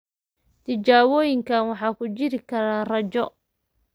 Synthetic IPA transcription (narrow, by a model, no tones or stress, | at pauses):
t̪ʰɪt͡ʃaːwɔːjɪŋkʰanwɑħɑːkʰʊt͡ʃɪɾɪkʰɐɾaːnrɐt͡ʃɔ